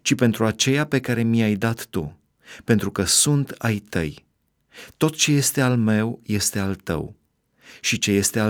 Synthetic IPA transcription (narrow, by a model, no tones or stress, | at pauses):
t͡ʃipe̞nt̪ɾuat͡ʃe̞jape̞kaɾe̞miajd̪at̪ːṵ | pe̞nt̪ɾukəsunt̪ajt̪ə̰j | t̪o̞t̪t͡ʃe̞je̞st̪e̞alme̞wje̞st̪e̞alt̪ə̰w | ʃit͡ʃe̞je̞st̪e̞a